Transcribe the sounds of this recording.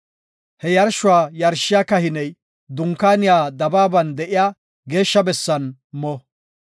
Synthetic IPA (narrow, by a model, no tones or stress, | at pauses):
hɛjɐɾʃʊwaːjɐɾʃɪjaːkɐhɪnɛj | d̪ʊŋkːaːnɪjaːd̪ɐbaːbɐnd̪ɛʔɪjaː | ɡe̞ːʃːɐbɛsːɐnmɔ